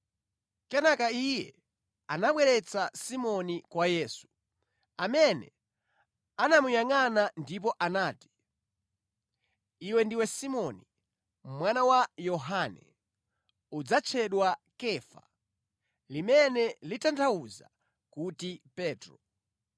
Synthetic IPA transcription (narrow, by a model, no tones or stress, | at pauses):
kɛnakaijɛ | anaɓwɛɾɛt͡sasimɔnikwajɛːsu̥ | amɛnɛ̰ | anamujaŋanandip̬ɔʔanaːti̥ | iwɛndiwɛsimɔni | mwanawajɔɦanɛ̰ | ud͡zat͡ʃʰɛɗwakɛfa̰ | limɛnɛlitantʰawuza̰ | kutipɛːtɾɔ